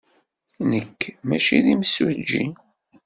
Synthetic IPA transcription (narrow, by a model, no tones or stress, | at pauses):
nəkːmæʃiðimsud͡ʒːi